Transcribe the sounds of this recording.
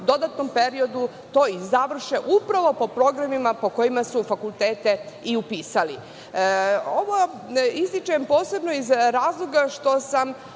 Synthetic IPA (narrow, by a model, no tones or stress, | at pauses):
d̪o̞d̪at̪no̞mpeɾio̞d̪u | t̪o̞izaʋr̩ʃeʔupɾaʋo̞po̞pɾo̞ɡɾamimapo̞ko̞imasufakulˠt̪eːt̪e | iupiːsali | o̞ʋo | ist̪it͡ʃampo̞ːse̞bno̞izɾaːzlˠo̞ɡaʃt̪o̞sam